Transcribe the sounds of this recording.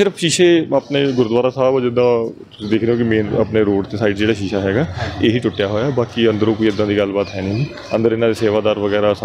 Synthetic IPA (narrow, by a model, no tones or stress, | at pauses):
sɪɾəfʃiːʃeːapneːɡʊɾd̪ʋaːɾaːsaːboːd͡ʒɪd̪ãː | ʊid̪eːkʰd̪eɦõːkɪmẽːnəpneːɾoːɖt̪eːsaːɪʈd͡ʒeːɽaːʃiːʃaːɦɛːɡaːeːɦiːʈʊʈːjaːɦoːjaːbaːkiə̃nd̪əɾõːkoːiɪd̪ːãːd̪iːɡəlbaːt̪ɦɛːnĩːiː | ə̰̃nd̪əɾɪnãːd̪eːseːʋaːd̪aːɾʋəɡɛːɾaːs